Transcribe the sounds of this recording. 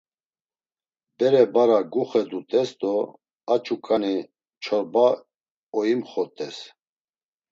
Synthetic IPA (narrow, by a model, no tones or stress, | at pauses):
bɛɾɛbaɾaɡuχɛd̪ut̪ʼɛsd̪ɔ | at͡ʃʼukʼani | t͡ʃʰɔɾba | ɔjimχɔt̪ʼɛs